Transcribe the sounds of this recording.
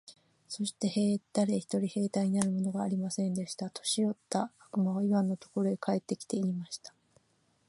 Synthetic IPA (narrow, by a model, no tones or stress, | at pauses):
so̞ɕi̥t̪e̞he̞ːt̪aɾe̞çi̥t̪o̞ɾʲihe̞ːt̪aiɲ̟inaɾɯ̟mo̞no̞ɡaːɾʲimasẽ̞nd̪e̞ɕi̥t̪at̪ʰo̞̥ɕio̞t̪ːaːkɯ̟maβ̞aiβãnːot̪o̞̥ko̞ɾo̞ekʰae̞t̪ːe̞kʲi̥t̪e̞iimaɕi̥t̪ḁ